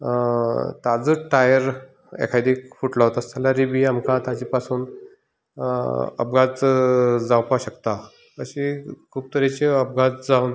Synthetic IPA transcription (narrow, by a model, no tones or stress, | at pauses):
t̪ad͡zəʈajəɾ | ɛ̰kʰajd̪ifuʈlaɦot̪ast̪alaɾibiamkʰãt̪at͡ɕipasuːn | ə̰pɡat͡sd͡zawpaɕəkt̪a | əɕikʰuːb̚t̪əɾet͡ɕeəp̚ɡat͡sd͡zaun